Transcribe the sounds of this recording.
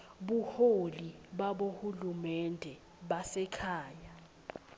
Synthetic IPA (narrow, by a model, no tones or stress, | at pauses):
ɓuholiɓaɓohulumɛndʱɛ | ɓasɛkʰaːja